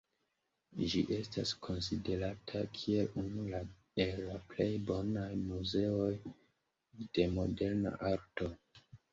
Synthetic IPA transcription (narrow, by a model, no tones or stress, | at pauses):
d͡ʒiʔe̞staskʰo̞nside̞ɾatʰakʰie̞lunula | e̞lːaple̞jbo̞najmuze̞o̞j | d̥e̞mo̞de̞ɾna̰ʔaɾto̞